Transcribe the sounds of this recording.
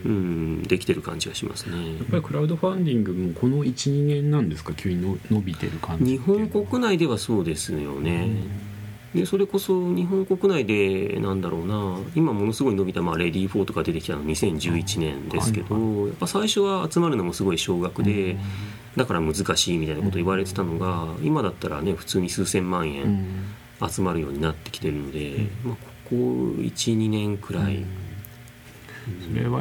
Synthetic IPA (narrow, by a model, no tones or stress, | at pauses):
ɯ̟̃ɴd̪e̞kʲi̥t̪e̞ɾɯ̟kã̰ɲ̟d͡ʑiɡaɕimʔa̰sɨ̥ne̞apːaɾʲikɯ̟ɾaɯ̟d̪o̞ɸãnd̪ʲĩŋɡɯ̟mokʰo̞no̞it͡ɕiɲiŋẽ̞nːãnd̪e̞sɨ̥kakʲʰɨːɲ̟inono̞bʲit̪e̞̰ɾɯ̟kʰãɲɲ̟iɦõ̞ŋko̞kɯ̟naid̪e̞βaso̞ːd̪e̞sɨjo̞̰ne̞ | d̪e̞so̞ɾe̞ko̞so̞ɲ̟iɦõ̞ŋko̞kɯ̟naid̪e̞nãnd̪aɾʔo̞̰ːnaimamo̞no̞sɨɡo̞ino̞bʲit̪amaɾe̞d̪ʲiːɸo̞ːt̪o̞ɡ̥ad̪e̞t̪e̞kʲi̥t̪anɲ̟isẽ̞ɲ̟d͡ʑɨːit͡ɕinẽ̞nd̪esɨ̥ke̞̰d̪̥o̞ja̰pːasaiɕo̞βaːt͡sɨmaɾɯ̟no̞mo̞sɨɡo̞iɕo̞ːɡakɯ̟d̪e̞ | d̪akaɾamɯ̟zɨkaɕiːmʲit̪ainakot̪oiβaɾe̞t̪e̞t̪ano̞ɡaimad̪at̪ːaɾa̰neɸɯ̟̥t͡sɨːɲ̟isɨːsẽ̞mːãɰ̃ẽ̞̰ɴ | at͡sɨmaɾɯ̟jo̞ːɲ̟inat̪ːekʲi̥t̪e̞ɾɯ̟no̞d̪e̞maːkʰo̞̥ko̰ḭt͡ɕiɲ̟inẽ̞ŋkɯ̟ɾaḭ | e